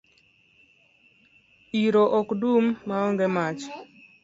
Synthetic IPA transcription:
iɾoʔɔkdumːaɔŋɡemat͡ʃ

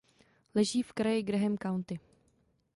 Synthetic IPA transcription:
lɛʒiːfkɾajɪɡɾɛɦɛmkawnt̪ɪ

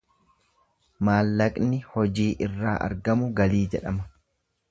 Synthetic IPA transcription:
maːlːɐkʼnɪhɔd͡ʒiːʔɪrːaːʔɐ̰ɾɡɐmʊɡɐliːd͡ʒɛᶑɐmɐ

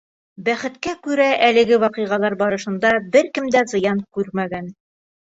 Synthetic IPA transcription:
bæχɘ̆t̪kækʉɾæʔælɘ̆ɡɘwɒqɤjʁɑlˠɑɾbɒɾɤ̆ʃɤ̆nd̪ɑbɘɾkɘ̆md̪æzɤ̆jɑnkʉɾmæɡæn

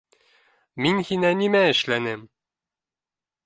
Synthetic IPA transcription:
minhinænimæɘ̆ʃlænɘm

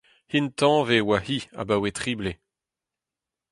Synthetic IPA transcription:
hint̪ɑ̃vewahia̰bawet̪χiːble

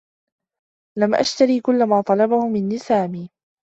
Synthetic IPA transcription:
lamʔa̰ʃt̪aɾiːkʊlːamaːt̪ˤɑlɑbahʊmɪnːɪsaːmiː

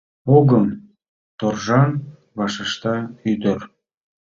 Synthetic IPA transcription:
oɣəm | t̪orʒɑn | βɑʃəʃt̪ɑyd̪ər

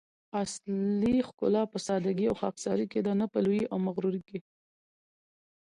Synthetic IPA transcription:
aslixkʊ̰lɑpəsɑd̪aɡiawxɑksɑɾiked̪anapəlujiʔawmaɣɾuɾike

